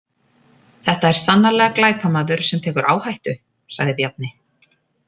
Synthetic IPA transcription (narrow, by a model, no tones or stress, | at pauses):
θɛht̪aɛɾ̥sanːalɛɣaklaːjpamaðʏɾ̥sɛmt̪ʰɛːkʏɾʔa̰ːwhajht̪ʏ | sa̰ɣðɪpjap̪̚nɪ